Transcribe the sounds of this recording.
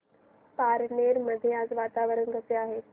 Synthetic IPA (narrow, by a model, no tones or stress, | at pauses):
paːɾneːɾmɐd̪ʱiaːzʋaːt̪aːʋəɾənɡʱɐseaːɦeː